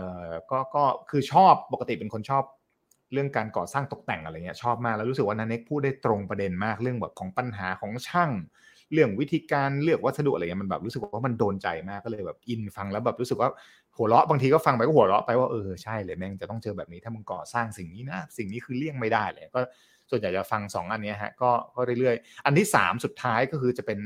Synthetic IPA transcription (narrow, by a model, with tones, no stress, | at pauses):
ʔɤː˨˧˩kɔː˥˩kɔː˥˩kʰɯː˧t͡ɕʰɔː˥˩pːo˨˩ka˧t̪i˨˩pe˧nkʰo˧nt͡ɕʰɔː˥˩p̚ | ɾɯ˥˩əŋkaː˧nkɔː˨˩saː˥˩ŋt̪o˨˩k̚t̪ɛ˨˩ŋʔɾa˧˨˩ŋi˦˥t͡ɕʰɔː˥˩p̚maː˥˩klɛ˦˥ɾu˦˥s̬ɯ˨˩k̚waː˥˩naː˧ne˦˥k̚pʰuː˥˩t̪̚da˥˩jt̪ɾo˧ŋpɾa˧de˧nmaː˥˩k̚ɾɯ˥˩əŋbɛː˨˩p̚kʰɔː˩˦ŋpa˧nɦaː˩˦kʰɔː˩˦ŋt͡ɕʰa˥˩ŋ | lɯ˥˩əŋwt̪ʰiː˧kaː˧nlɯ˥˩ək̚wa˦˥˩sa˧dʔ̚a˧˨˩ma˧nbɛː˨˩pɾu˦˥s̚wwaː˥˩ma˧ndoː˧nt͡ɕa̰˧jmaː˥˩kːɔː˥˩lɤː˧jbɛː˨˩p̚ʔi˧nfa˧ŋlɛ˦˥wbɛː˨˩pɾuː˦˥sɯ˨˩k̚waː˥˩ | hu˩˦əlɔ˦˥ʔbaː˧ŋt̪ʰiː˧kɔː˥˩fa˧ŋpa˧jkɔ˥˩ɦlɔ˦˥ʔpa˧jwaː˥˩ʔɤː˧t͡ɕʰa˥˩jleː˧˩mɛː˦˥˩ma˧nt͡ɕa˨˩t̪ɔ˥˩ŋt͡ɕɤː˧bɛː˨˩p̚ni˦t̪ʰaː˥˩ma˧nkɔː˨˩saː˥˩ŋsi˨˩ŋniː˦˥na˦˥si˨˩ŋniː˦˥kʰɯː˧li˥˩əŋma˥˩jdaː˥˩ja̰˧˩ŋi˦˥kɔː˥˩ | su˨˩ənja˨˩jt͡ɕaː˨˩fa˧ŋsɔ̰ː˩˦ŋʔa˧nːi˦˥ɦa˦˥kɔː˥˩kɔː˥˩ɾa˥˩jɾɯ˥˩əjʔa˧nt̪ʰiː˥˩sa̰ː˩˦msu˨˩t̪ʰːaː˦˥jkɔː˥˩kʰɯː˧t͡ɕa˨˩pe˧n